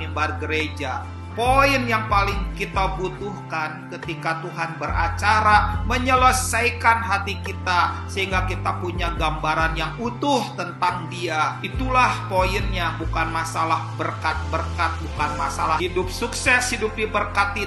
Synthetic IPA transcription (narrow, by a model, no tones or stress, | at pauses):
imbarɡəɾed͡ʒa | poɪnjaŋpalɪŋkit̪abut̪uhkankət̪ikat̪uɦanbəɾa̰t͡ʃaɾaməɲələsajkanɦat̪ikit̪asəɦiŋɡakit̪apuɲaɡambaɾanjaŋut̪ʊht̪ənt̪aŋdiait̪ulahpoɪnɲabukanmasalahbərkat̪̚bər̚kat̪̚bukanmasalaidʊp̚suksɛshidup̚ibərkat̪̚i